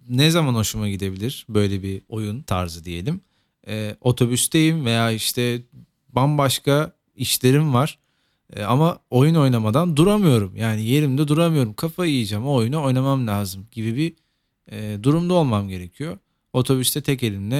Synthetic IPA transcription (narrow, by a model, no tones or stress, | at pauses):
nɛzamano̞ʃumaɟid̪e̞bilʲiɾ̥bø̞jlʲɛbio̞junt̪ʰa̰ɾzɯd̪ije̞lʲim | ɛːo̞t̪ʰo̞byst̪ejimve̞jaːiʃt̪ʰɛ | banbaʃkʰa | iʃlʲe̞ɾimvaɾ̥̰ | amao̞juno̞jnamad̪and̪uɾamɯjo̞ɾumjaːnije̞ɾimd̪ɛd̪uɾamɯjo̞ɾumkʰafaijɯd͡ʒamaojunao̞jnamamlʲaːzɯmɟibibi | ɛːd̪uɾumd̪aolˠmamɟe̞ɾe̞cʰijo̞ | o̞t̪ʰo̞byst̪ʰɛt̪ʰɛcelʲininɛ